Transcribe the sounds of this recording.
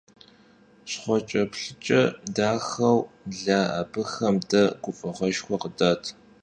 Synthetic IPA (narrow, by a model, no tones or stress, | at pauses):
ɕχʷɔt͡ʃʼɐpɬɨt͡ʃʼɐdaːxɐwɮaːa̰bɨxɐmdɐɡ̥ʷʊfʼɐʁʷɐʃxʷɔqədaːtʰ